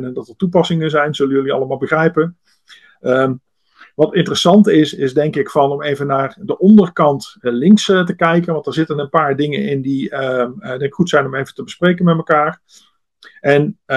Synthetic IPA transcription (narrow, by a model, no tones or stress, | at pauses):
nəndɑtətupɑsɪŋəzɛjnz̥ɵləjɵliɑ̰lˠəmaːlˠbəχrɛjpən | ʋɑtɪntərəsɑntɪsɪzdɛŋkɪkfɑnɔmejvənːaːɹdəʔɔndərkɑntlɪŋksətəkɛjkənʋɑntdɛːɹzɪtənənpaːɹdɪŋə̰nɪndi | dɛŋkɪ̥kχutsɛjnɔmejvətəbəsprejkənmɛt̚məkaːɹ | ʔɛn